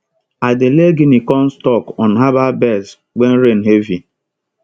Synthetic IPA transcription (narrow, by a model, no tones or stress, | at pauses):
adɪleɡinikɔn̩stɔkɔn̩ɦababɛs | wen̩ɾen̩ɦevi